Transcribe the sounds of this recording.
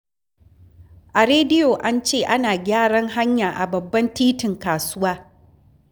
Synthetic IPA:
ʔa˨ɾeː˦dɪ˦joː˨ʔa˦nt͡ʃeː˦˨ʔa˦naː˨ɡʲaː˦ɽɐ˦ŋɦa˦ɲjaː˨ʔa˨bɐ˨bːɐ˦ntiː˦tɪ˨ŋkaː˨sʊ˦waː˦

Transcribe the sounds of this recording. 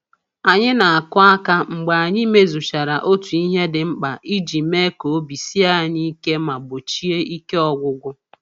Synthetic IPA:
a˨ɲɪ˦na˨a˨kʊ˦a˦ka˦ŋ͡m̩˨ɡ͡ba˨a˨ɲɪ˦me˦zu˨ʃa˨ɾa˨ʔo˦tu˨i˦ɦe˦dɪ˨ŋ͡m̩˦k͡pa˨ʔi˦d͡ʒi˨me˦ko˨o˦bi˨si˦a˦ɲi˦ke˦ma˨bʊ˨t͡ʃi˦e˦i˦ke˦ɔ˨ɡʷʊ˦ɡʷʊ˦

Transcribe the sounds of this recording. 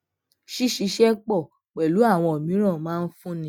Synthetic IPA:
ʃi˦ʃi˧ʃɛ˦k͡pɔ˦˨ | k͡pɛ˨lu˨˦a˦˨w̃ɔ̃˧o˨mĩ˨˦ɾ̃ã˦˨mãː˦˧n̩˦fũ˦nĩ˧˦

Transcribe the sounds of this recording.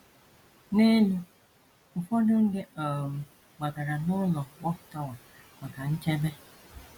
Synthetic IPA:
ne˦nu˨ | m̩˨fɔ˦dʊ˦ŋ̩˦de˦ɔ˨m̩˨ | ɡ͡ba˨ɡa˨ɾa˨nʊ˦lɔ˨wɔ˦˨tɔ˦wa˨ | ma˨ka˨n̩˦t͡ʃe˦be˦

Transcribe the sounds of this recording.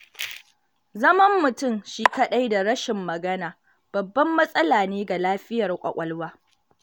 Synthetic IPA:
zɐ˦mɐ˦mːʊ˨tʊ˦˨mʃiː˦kɐ˦ɗa˦jda˨ɽɐ˦ʃɪ˨mːɐ˨ɡɐ˦naː˨ | b̥ɐ˨bːɐ˦mːɐ˦sʼɐ˦laː˨neː˦ɡa˨laː˦ɸɪ˦jɐ˨rkʷʼɐ̰˨kʷʼɐ˦lwaː˦

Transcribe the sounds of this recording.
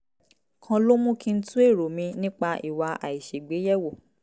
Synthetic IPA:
kʰã˧lo˦mũ˦kĩ˧n̩˦tũ˦e˦˨ɾo˨mĩ˧nĩ˦k͡pa˧ʔi˨wa˧a̰˨i˨ʃe˨ɡ͡be˨˦jɛ˦˨wo˦˨

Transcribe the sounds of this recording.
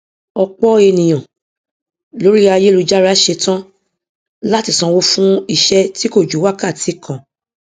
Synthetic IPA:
ɔ˧k͡pɔ˦e˧nĩ˨j̃ɔ̃˨ | lo˨˦ɾi˦a˧je˦lu˧d͡ʒa˦ɾa˦ʃe˧tã˦ | la˦ti˦˨sã˧wo˦fũ˦i˦˨ʃɛ˧˦ti˦ko˦˨d͡ʒu˨˦wa˦ka˦˨ti˨˦kʰã˨

